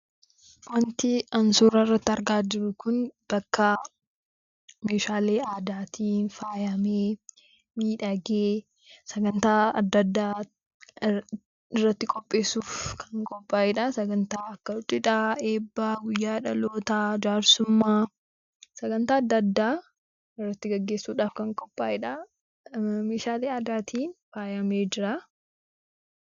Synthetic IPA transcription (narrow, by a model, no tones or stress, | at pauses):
wɐnt̪ɪɐnsuːɾɐɪrːɐt̪ːɪɐɾɡaːd͡ʒɪɾʊkʊnb̥ɐkːɐ | meːʃaːleːaːd̪aːt̪iːnfaːjɐmeː | miːᶑɐɡeː | sɐɡɐnt̪aːɐd̪ːɐd̪ːaː | ɪrːɐt̪ːɪkʼɔpʼːe̞ːsuːfkʰɐŋkʼɔpʼːaːʔɪᶑɐsɐɡɐnt̪aːɐkːɐʊt͡ʃʼːɪᶑaːeːbːaːɡʊjːaːᶑɐloːt̪aːd͡ʒaːɾsʊmːaː | sɐɡɐnt̪aːɐd̪ːɐd̪ːaː | ɪrːɐt̪ːɪɡɐɡːeːsuːᶑaːfkɐŋkʼɔpʼːaːʔɪᶑɐ | meːʃaːleːɐd̪aːt̪ʰiːnfaːjɐmeːd͡ʒɪɾɐ